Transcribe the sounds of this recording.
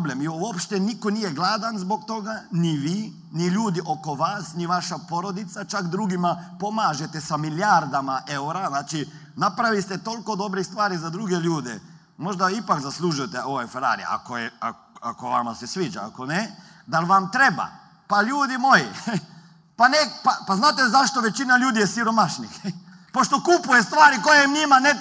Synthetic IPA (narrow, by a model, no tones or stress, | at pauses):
blemjuopʃt̪enikonijeɡlˠaːd̪anzbo̞k̚t̪o̞ɡaniʋiː | niʎuːd̪iʔo̞ko̞ʋaːsniʋaʃapo̞ɾo̞d̪it̪sat͡ʃakd̪ɾuɡimapo̞maːʒet̪esamiljaɾd̪amaʔeuɾaznaːt͡ʃi | napɾaʋist̪et̪o̞lko̞d̪o̞bɾist̪ʋaːɾizad̪ɾuɡeʎuːd̪e | mo̞ʒd̪aipakzaslˠuʒujet̪eʔo̞ʋefeɾa̰ːɾḭḛa̰kojea̰ | akoʋa̰mase̞sʋiːd͡ʒa̰a̰ko̞ne | d̪alʋamt̪ɾeba̰ | paʎuːd̪imo̞ji | panepapaznaːt̪ezaʃt̪oʋe̞t͡ʃinaʎuːd̪ijesiɾo̞maʃnix | po̞ʃt̪o̞kupujest̪ʋaːɾiko̞jemɲimane